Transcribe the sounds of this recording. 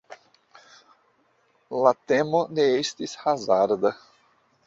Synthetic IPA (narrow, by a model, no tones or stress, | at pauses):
lat̪emoneest̪ishazaɾd̪ɐ